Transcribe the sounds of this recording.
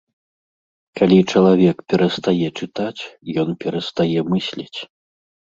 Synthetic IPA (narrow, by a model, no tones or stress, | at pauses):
kalʲit͡ʂɐlˠavʲɛkpʲɛɾɐst̪ajɛt͡ʂɨt̪at͡sʲjɔnpʲɛɾɐst̪ajɛmɨsʲlʲit͡sʲ